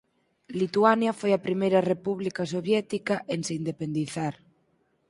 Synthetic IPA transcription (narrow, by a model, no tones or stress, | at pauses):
lit̪uanjafojapɾimejɾarepuβlikasoβjɛt̪ikaʔenseind̪epend̪iθaɾ